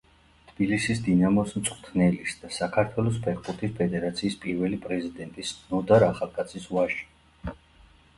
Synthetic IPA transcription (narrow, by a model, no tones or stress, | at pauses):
t̪ʰb̥ilisisd̪inamɔsmt̪sʼqʼt̪ʰnɛlisd̪asakʰaɾt̪ʰwɛlˠɔspʰɛɾbuɾt̪ʰispʰɛd̪ɛɾat̪sʰiːspʼiɾvɛlipʼɾɛzid̪ɛnt̪ʼisnɔd̪aɾaχalˠkʼat̪sʰisvaʃi̥